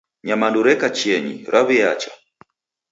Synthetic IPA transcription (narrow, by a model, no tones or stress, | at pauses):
ɲamanduɾɛkat͡ʃɛɲḭɾaβijat͡ʃḁ